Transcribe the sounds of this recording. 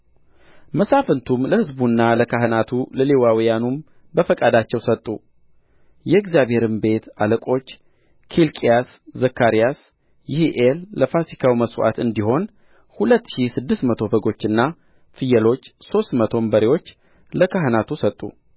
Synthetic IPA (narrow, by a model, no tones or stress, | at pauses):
məsafənt̪ʰumləhɨzbunːaləkʰaɦɨnat̪ʰuləlewawijanum | bəfəkʼad̪at͡ʃːɛwsət̪ʼːṵ | jɛɪɡzijaβhe̞ɾɨmbe̞t̪a̰ləkʼo̞t͡ʃː | kʰilkʼijas | zəkʰːaɾijas | jɪhʔelːəfasikʰawiməswʔa̰t̪ɨnd̪iho̞n | hulət̪ːʃisɨd̪ːɨst̪mət̪ʰo̞bəɡo̞t͡ʃːɨnːa | fɨjɛlo̞t͡ʃːso̞st̪mət̪ʰo̞mbəɾewo̞t͡ʃː | ləkʰaɦɨnat̪ʰusət̪ʼːṵ